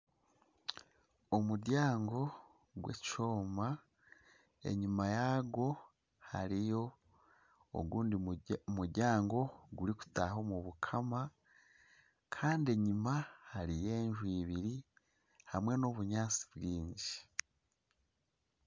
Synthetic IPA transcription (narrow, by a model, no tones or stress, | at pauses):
omuɾjaːŋɡo̞ | ɡwet͡ʃoːma | e̞̰ɲumajaɡo̞ | ha̰ɾijo̞ | o̰ɡuːndimuɾɟaːŋɡo̞ɡuɾiku̥taho̞muβukʰama | kʰaːnde̞ɲimahaɾije̞ːɲʒwiβiɾi | hamŋe̞noβuɲaːt͡si̥bɡiːɲɟi